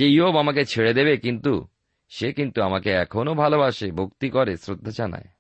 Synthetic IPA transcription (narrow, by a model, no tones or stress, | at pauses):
eiobamaket͡ɕʰeɽed̪ebekint̪u | ʃekint̪uamakeɛkʰonobʱalobaʃebʱokt̪ikɔɾesɾod̪ʱːad͡ʑana̰e